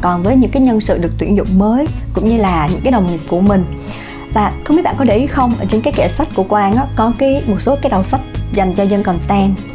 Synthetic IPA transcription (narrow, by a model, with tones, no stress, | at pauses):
kɔ˨˩nvəː˨˦jɲɨ̰˧˥ŋkaː˨˦jɲə˧nsɨ̰˧˨ɗɨ˨˩ək̚t̪wi˧˩ənzʊ̰˧˨wŋ͡mməː˨˦jkʊ̰˧˥ŋ͡mɲɨ˧laː˨˩ɲɨ̰˧˥ŋkaː˨˦jɗə˨˩wŋ͡mŋi˨˩p̚ku˧˩əmï˨˩ŋ̟ | vaː˨˩xŋ͡mi˦˥ɓa̰ː˧˨kɗe˧˩ʔi˨˦xə˧wŋ͡mʔə˧˩t͡ɕe˧nkaː˨˦jkɛ˧˩sa˦˥jt̚ku˧˩əkwʔaː˧nʔaː˨˦kɔ˨˦kaː˨˦jmo˨˩t̚so˨˦kaː˨˦jɗa˨˩wsə˦˥p̚za˨˩jŋ̟t͡ɕɔ˧zə˧nkə˨˩nt̪ɛ˧n